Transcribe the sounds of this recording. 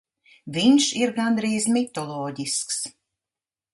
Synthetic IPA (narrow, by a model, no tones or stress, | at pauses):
vʲiɲʃiɾɡand̪ɾiːzmit̪ɔlˠɔːɟisks